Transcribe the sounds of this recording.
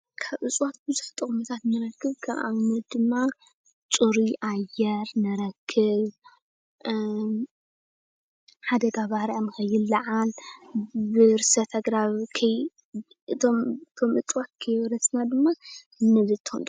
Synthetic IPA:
kʰaβʔɨt͡sʼwat̪̚bɨzuħt̪ʼɨkʼmɨt̪ʰat̪nɨɾɐkʰːɨβkʰɐmʔa̰nɐd̪ɨmːa | t͡ʃʼuɾiʔajɛɾnɨɾɐkʰːɨβ | ħad̪ɐɡaβahɾʔanɨxɐjːɪlːɐʕal | bɨɾɨsɐt̪ʰɐɡɾaβkʰɐj | ɨt̪ʰomt̪ʰo̞mʔɨt͡sʼwat̪̚kʰɐjβɾɐsnad̪ɨmːa | ɨnːɐzɨt̪ʰːɨund̪

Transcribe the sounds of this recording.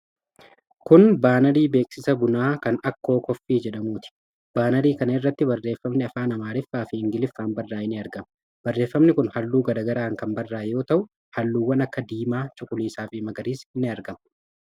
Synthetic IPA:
kʊnbaːnɐɾiːbe̞ːksɪsɐbʊnaːkɐnɐkːo̞ːkɔfːiːd͡ʒɛᶑɐmuːt̪ɪ̥ | b̥aːnɐɾiːkɐnɐɪrːɐt̪ːɪbɐrːe̞ːfːɐmnɪɐfaːnɐmaːɾɪfːaːfɪɪŋɡɪlɪfːaːnbɐrːaːɪnɪɐɾɡɐmɐ | b̥ɐrːe̞ːfːɐmnɪkʊnhɐlːuːɡɐd̪ɐɡɐɾaːŋkɐmbɐrːaːjo̞ːt̪ɐʔʊ | hɐlːuːwːɐnɐkːɐd̪iːmaːt͡ʃʊkʼʊliːsaːfɪmɐɡɐɾiːsɪnːɪɐɾɡɐmɐ

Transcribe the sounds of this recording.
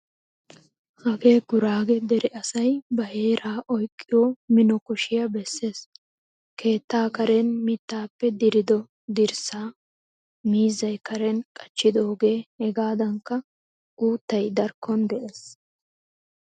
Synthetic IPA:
hɐɡe̞ːɡʊɾaːɡɛd̪ɛɾɛʔɐsɐjbɐhe̞ːɾaːʔɔjkʼːɪjoːmɪnɔkɔʃɪjɐbɛsːe̞ːs | kʰe̞ːt̪ːaːkɐɾɛnmɪt̪ːaːpːɛd̪ɪɾɪd̪ɔ | d̪ɪɾsaː | miːzːɐjkɐɾɛnkʼɐt͡ʃːɪd̪o̞ːɡe̞ːhɛɡaːd̪ɐŋkːɐ | ʔuːt̪ːɐjd̪ɐɾkːɔnd̪ɛʔe̞ːs

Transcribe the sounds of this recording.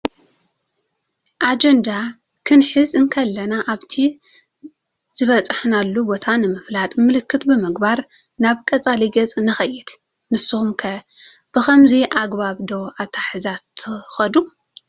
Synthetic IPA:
ʔad͡ʒɐnd̪a | kʰɨnħɨzɨŋkʰɐlːɐnaʔaβt̪ʰi | z̥ɨβɐt͡sʼɨħnalːubo̞t̪ʰanɨmɨflat̪ʼmɨlɨkʰːɨt̪bɨmɨɡbaɾ | naβkʼɐt͡sʼaliɡɐt͡sʼnɨxɐjːɪd̪̥ | mɨsːɨhumkʰɐ | b̥ɨxɐmziʔaɡbaβd̪o̞at̪ʰaħɨzat̪ʰːɨxɐd̪u

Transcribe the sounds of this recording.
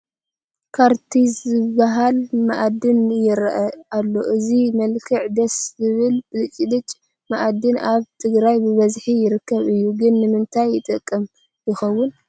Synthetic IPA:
kʰaɾt̪ʰizɨbːaɦalmaʔad̪ɨnjɪɾʔɐalːo̞ʔɨzimɐlkʰɨʕd̪ɐszɨβɨlɨt͡ʃʼid̪ɨt͡ʃʼ | maʔad̪ɨnaβt̪ʰɨɡɾajbɨβɐzħijɪɾɨkʰːɐβɨjːuɡɨnːɨmɨnt̪ʰajːɪt̪ʼɨkʼːɐm | jɪxɐwːʊn

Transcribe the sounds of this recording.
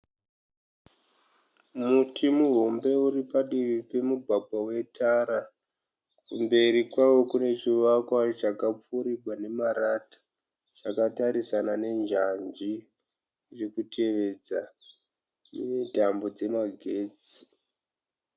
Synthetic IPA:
mutʰimuɦo̞mbe̞uɾipaɗiʋipe̞muɡʱaɡʱwawe̞tʰaɾa | kumbe̞ɾikwawo̞kune̞t͡ʃiʋakwat͡ʃakap͡fuɾiɡʱwane̞maɾatḁ | t͡ʃakataɾisanane̞nd͡ʒand͡ʒi | t͡ʃekutʰe̞ʋe̞d͡za | nedʱambo̞d͡ze̞maɡʱe̞ːd͡zi̥

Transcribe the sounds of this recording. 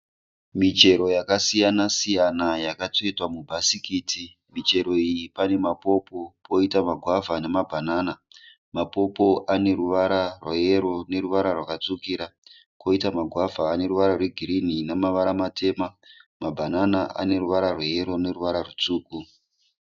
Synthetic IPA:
mit͡ʃe̞ɾo̞jakasijanasijanajakat͡soitwamubʱasikiːtʰi | mit͡ʃe̞ɾo̞ijipane̞mapo̞po̞pʰo̞itamaɡʱwavʱanemabʱanaːna | mapo̞po̞ʔane̞ɾuʋaɾarwaje̞ɾo̞ne̞ɾuʋaɾarwakat͡sukiɾa | ko̞itamaɡʱwavaːne̞ɾuʋaɾarweɡʱiɾininamaʋaɾamatʰe̞ːmamabʱananaʔa̰ne̞ruʋaɾarweje̞ɾo̞ne̞ruʋaɾarut͡suːku

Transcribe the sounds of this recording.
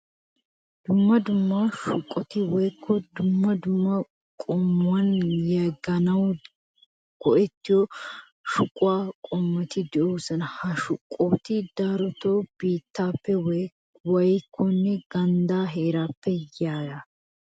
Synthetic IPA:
d̪̥ʊmːɐd̪ʊmːaʃʊkʼːɔt̪ɪwɔjkʰːɔd̪ʊmːɐd̪ʊmːɐ | kʼɔmːʊɐnjɐɡɐnɐw | ɡ̥ɔʔɛt̪ːɪjɔ | ʃʊkʼʊaːkʼɔmːɔt̪ɪd̪ɛʔoːsɐnɐhɐʃʊkʼːoːt̪ɪd̪aːɾɔt̪oːb̥iːt̪ːaːpːɛw | wɐjkʰːɔnːɛɡ̥ɐnd̪aːɦeːɾaːpːɛjaːjɐ

